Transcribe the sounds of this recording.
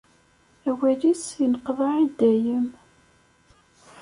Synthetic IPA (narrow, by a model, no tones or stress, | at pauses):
æwælisjənəqvaʕid̪æjəm